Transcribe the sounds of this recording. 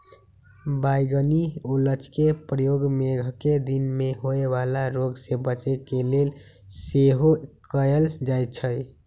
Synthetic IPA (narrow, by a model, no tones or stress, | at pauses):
bajɡəniulət͡ʃkepɾəjoɡmeɡʱked̪inmeɦoebalaɾoɡsebət͡ʃekelel | seɦokəəld͡ʒajt̪t͡ʃʰəj